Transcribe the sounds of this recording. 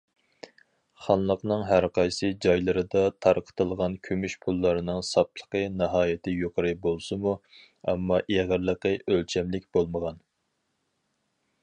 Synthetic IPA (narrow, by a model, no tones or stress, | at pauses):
χɑnlˠəqnɨŋɦæɾqʰɑjsɨd͡ʒɑjlˠɨɾɨd̪ɑt̪ʰɑɾqʰə̥t̪ʰɨlˠʁɑnkʲʰømyʃpʰulˠːɑɾɨnɨŋsɑp̚lˠə̥qənɨɦɑːjɪt̪ʰɪjoqʰəɾɨbolˠsɨmu | ɛ̰mːɑʔeʁəɾlˠəqəʔølt͡ʃʰɛmlɪk̚ʲbolˠməʁɑn